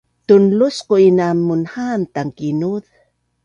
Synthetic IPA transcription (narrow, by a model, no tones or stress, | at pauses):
t̪unlusqoinamːunhant̪aŋkinuð